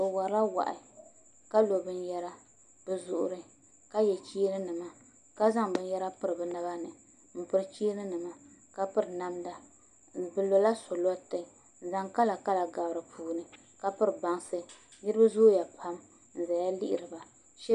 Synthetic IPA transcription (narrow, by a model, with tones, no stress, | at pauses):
o˨wa˨˦la˦wa̰˨ʔɪ̰˨ | ka˦lo˨bɨ˦njɛ˦ɾa˦ | b̥ɨ˨zʊ˨ʔʊ̰˨ɾɨ˦ | ka˦jɛ˨t͡ʃiː˦nɨ˦nɨ˨ma˨ | ka˦za˦ŋbɨ˦njɛ˦ɾa˦pɨ˦ɾɨ˨bɨ˨na˦ba˦nɨ˨ | m̩˦pɨ˦ɾɨ˦t͡ʃi˦nɨ˦nɨ˨ma˨ | ka˦pɨ˦ɾɨ˨na˦mda˨ | bɨ˨lo˨la˦so˨lɔ˦tɨ˨ | za˦ŋka˦la˨ka˦la˨ɡa˨bɾɨ˨pʰuː˨nɨ˨ | ka˦pɨ˦ɾɨ˨ba˦ŋsɨ˦ | nɨ˦ɾɨ˦ba˦zoː˦ja˨pʰa˦m | n̩˨za˨ja˦lḭ˦ʔɪ̰˨ɾɨ˨ba˨ | ʃɛ˦